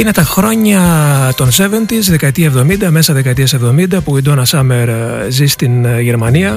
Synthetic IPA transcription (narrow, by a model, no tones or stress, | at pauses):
ine̞t̪ɐxɾo̞ɲɐt̪o̞nse̞ve̞nt̪izðe̞kɐt̪iɐevðo̞mind̪ɐme̞sɐðe̞kɐt̪iɐse̞vðo̞mind̪ɐpuid̪o̞nɐsɐme̞ɾ | zist̪inʝe̞ɾmɐniɐ